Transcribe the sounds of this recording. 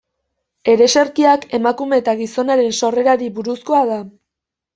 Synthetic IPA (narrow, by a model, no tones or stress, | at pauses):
e̞ɾe̞se̞ɾkiake̞makume̞ːt̪aɣiso̞naɾe̞nso̞re̞ɾaɾiβuɾusko̞aða